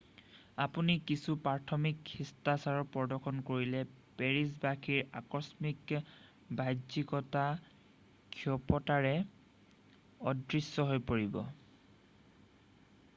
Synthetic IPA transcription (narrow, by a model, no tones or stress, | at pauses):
apunikisupaɹtʰɔmikxistasaɹɔpɔdɔkʰɔnkoɹilɛpeɹis̬bakʰiɹa̰kɔsmik | bajdzikɔta | kʰiɔpɔtaɹɛ | ɔdɹisːɔɦojpoɹibɔ̰